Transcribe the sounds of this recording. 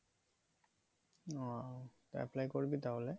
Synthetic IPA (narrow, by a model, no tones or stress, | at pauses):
ɔt̪ɛ̰plajkoɹbit̪aɦole